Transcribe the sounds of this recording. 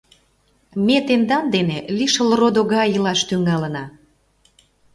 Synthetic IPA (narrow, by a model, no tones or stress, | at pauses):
met̪end̪ɑnd̪eneliʃəlrod̪oɣɑjəlɑʃt̪yŋɑlənɑ